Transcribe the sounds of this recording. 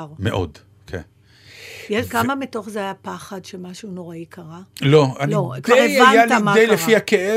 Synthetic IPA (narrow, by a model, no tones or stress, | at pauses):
ʁmeʔo̰d | kʰḛn | jeʃkamamito̞χzeajapaχadʃemaʃunoʁaikʰaʁaloalokvaeajalt̪amadejlefiakee